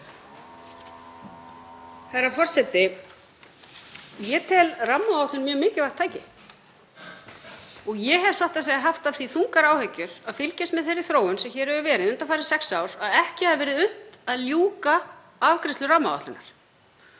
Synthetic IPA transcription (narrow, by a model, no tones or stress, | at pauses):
hɛɾafɔr̥sɛt̪ɪ | jɛt̪ʰɛlramːaawt̪lʏnmjœːmɪːcɪvaht̪ʰːaːjcɪ | ɔɣjɛɦɛvsaht̪aseːjaɦaft̪av̥θiθuŋkaɾaːwhɛcːʏɾ̥aðfɪlcɪst̪mɛðθerːɪθɾoːwʏnsɛmçɛːɾhɛvʏvɛːɾɪðʏnt̪afaːɾɪ̥sɛksaːwɾ̥aðɛhcɪhaðvɛːɾɪðʏht̪aðljuːka | avkɾɪst̪lʏramːaa̰ht̪lʏnaɾ̥